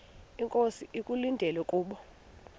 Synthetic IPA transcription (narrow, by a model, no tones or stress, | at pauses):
iŋkʼosiʔikʼulindʱɛlwɛkʼuːɓɔ